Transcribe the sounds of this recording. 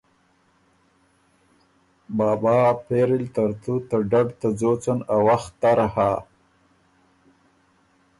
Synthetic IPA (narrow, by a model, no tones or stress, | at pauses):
bɑːbaːpeɾɪlt̪aɾt̪ut̪əɖaɖt̪əd͡zot͡sənawaxt̪ːaɾaha